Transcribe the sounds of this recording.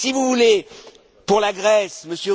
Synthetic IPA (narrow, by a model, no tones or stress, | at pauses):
sivuvule | puʁlaɡʁɛsməsjø